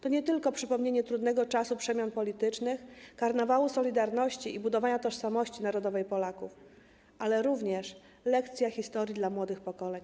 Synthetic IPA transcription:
t̪ɔɲɛt̪ɘlkɔpʂɘpɔmɲeɲɛt̪ɾud̪nɛɡɔt͡ʂasupʂɛmʲjɔnpɔlʲit̪ɘt͡ʂnɘxkaɾnavawusɔlʲid̪aɾnɔɕt͡ɕiʔibud̪ɔvaɲat̪ɔʂsamɔɕt͡ɕinaɾɔd̪ɔvɛjpɔlakuf | ʔalɛɾuvɲɛʂ | lɛkt̪sʲjaxʲist̪ɔɾʲjid̪lamwɔd̪ɘxpɔkɔlɛɲ

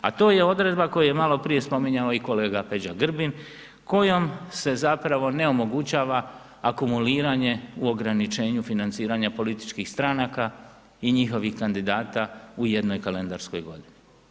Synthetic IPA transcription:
a̰t̪o̞ːje̞o̞d̪ɾe̞d̪bako̞juje̞malo̞pɾije̞spo̞miɲaoiko̞le̞ːɡape̞d͡ʑaɡr̩bin | ko̞jo̞mse̞zapɾaʋo̞ne̞o̞mo̞ɡut͡ɕaːʋaː | kumuliːɾaɲe̞uo̞ɡɾanit͡ʃe̞ːɲufinant̪siːɾaɲapo̞lit̪i̥t͡ʃkixst̪ɾanaka | iɲixo̞ʋixkand̪id̪aːt̪auje̞d̪no̞jkale̞nd̪aɾsko̞̰jɡo̞d̪ini

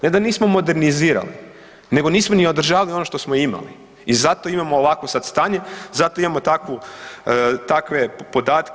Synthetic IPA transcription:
ned̪aniːsmo̞mo̞d̪e̞ɾniziːɾa̰lḭ | ne̞ɡo̞niːsmonio̞d̪ɾ̩ʒaːʋalio̞noʃt̪osmojima̰lḭ | izat̪o̞imamoːʋakʋosad̪st̪aːɲe̞zat̪oimamo̞t̪akʋu | t̪akʋe̞po̞d̪aːt̪k

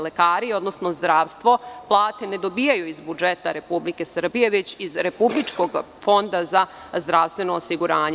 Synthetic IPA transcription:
lekaːɾio̞d̪no̞sno̞zd̪ɾaːʋst̪ʋo̞plˠaːt̪e̞ne̞d̪o̞biːjajuizbud͡ʒet̪aɾe̞publike̞sr̩bije̞ʋe̞t͡ɕizɾe̞publit͡ʃko̞ɡ | fo̞nd̪aza | zd̪ɾaʋst̪ʋe̞no̞ːsiɡuɾaːɲe

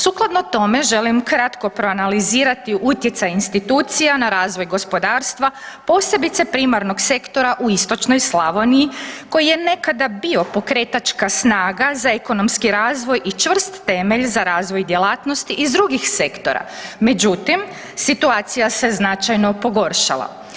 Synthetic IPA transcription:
suklˠad̪not̪o̞me̞ʒe̞limkɾat̪ko̞pɾo̞analiziːɾat̪iut̪jet̪sajinst̪it̪uːt̪sijanaɾaːzʋo̞jɡo̞spo̞d̪aːɾst̪ʋa | po̞ːse̞bit̪se̞pɾimaɾno̞ɡse̞kt̪o̞ɾaʔuist̪o̞t͡ʃnojslˠaʋonijiko̞jije̞ne̞kad̪abio̞po̞kɾe̞t̪at͡ʃkasnaːɡazaeko̞no̞mskiɾaːzʋo̞jʔit͡ʃʋr̩st̪ːe̞me̞ʎzaɾaːzʋo̞jd̪je̞laːt̪nost̪iʔizd̪ɾuɡixse̞kt̪o̞ɾa̰me̞d͡ʒut̪im | sit̪uaːt̪sijase̞znat͡ʃajno̞po̞ɡo̞ɾʃa̰lˠa̰

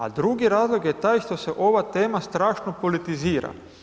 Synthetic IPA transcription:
a̰d̪ɾuɡiɾaːzlˠo̞ɡjet̪aːjʃt̪o̞se̞ʔo̞ʋat̪e̞ːmast̪ɾaːʃno̞po̞lit̪iziːɾa̰

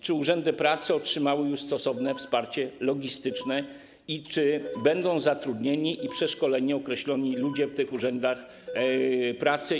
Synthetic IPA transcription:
t͡ʂɘuʐɛnd̪ɘpɾat̪sɘɔtʂɘmawɘjust̪ɔsɔvnɛfspaɾt͡ɕɛlɔɡʲist̪ɘt͡ʂnɛ | it͡ʂɘbɛnd̪ɔ̃w̃zat̪ɾud̪ɲeɲiʔipʂɛʂkɔlɛɲiɔkɾɛɕlɔɲilud͡ʑɛft̪ɘxuʐɛnd̪ax | pɾat̪sɘ

